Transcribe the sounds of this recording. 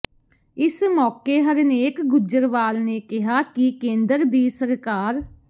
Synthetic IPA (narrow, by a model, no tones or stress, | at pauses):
ɪsmɔːkeːɦəɾneːkɡʊd͡ʒəɾʋaːlneːkɪɦaːkɪkẽːnd̪əɾd̪iːsəɾkaːɾ